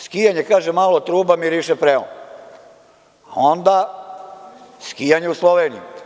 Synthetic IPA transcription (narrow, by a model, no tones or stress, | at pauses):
skijaɲekaːʒemalot̪ɾuːbamiɾiʃepɾeo̰n | aond̪a | skijaɲe̞uslˠoʋeːnḭjṵ